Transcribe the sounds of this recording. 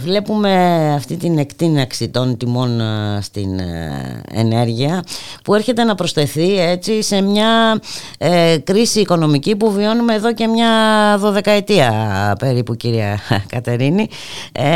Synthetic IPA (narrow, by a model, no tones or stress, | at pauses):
vle̞pume̞ɐft̪it̪ine̞kt̪inɐksit̪o̞nt̪imo̞nst̪ḭn | ḛne̞ɾʝiɐpue̞ɾçe̞t̪e̞nɐpɾo̞ste̞θie̞t͡sise̞mɲɐ | kɾisiːko̞no̞micipuvio̞nume̞ːðo̞ce̞mɲɐðo̞ðe̞kɐet̪iɐpe̞ɾipuciɾiɐkɐt̪e̞ɾini